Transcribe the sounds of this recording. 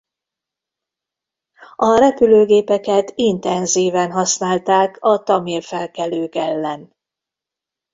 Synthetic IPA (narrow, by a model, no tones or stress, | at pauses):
ɒɾɛpyløːɡeːpɛkɛt̪int̪ɛnziːvɛnɦɒsnaːlt̪aːkɒt̪ɒmirfɛlkɛløːkɛlːɛn